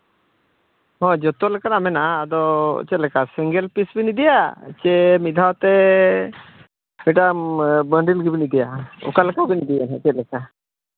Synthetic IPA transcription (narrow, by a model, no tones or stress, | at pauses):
hɔ̃d͡ʒɔt̪ɔlɛkanamɛnaːd̪ɔ̰t͡ʃɛt̪̚lɛkasiŋɡɛlpisbinid̪ɛjat͡ʃɛmid̪ʱawt̪ɛ | miʈambəɳɖilɡibinid̪ɛjaɔ̰kalɛkabinid̪ɛɛnɛt͡ʃɛt̪̚lɛka